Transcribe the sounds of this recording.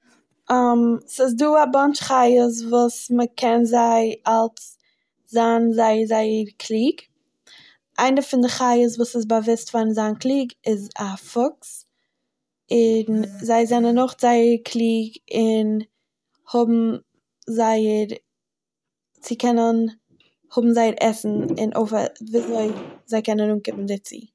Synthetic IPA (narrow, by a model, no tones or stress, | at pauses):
amsɪs̬duːabant͡ʃχaɪəs̬vuːsməkʰɛnzaɪalˠs | zanzaɪəzaɪəɾkʰlˠiːɡ | ʔaɪnəfɪndɪχaɪjəs̬vuːsɪsbavɪstfaɾn̩zanklˠiːɡɪzafʊks | ɪnzaɪzɛnənːʊχzaɪəɾkʰlˠiːɡɪn | hʊbm̩ | zaɪəɾ | t͡sɪkɛnən | hʊbm̩zaɪəɾɛsn̩ɪ̰nʔo̰ʊfa̰viːzoɪzaɪkɛnənuːnkɪpm̩dɪt͡sḭ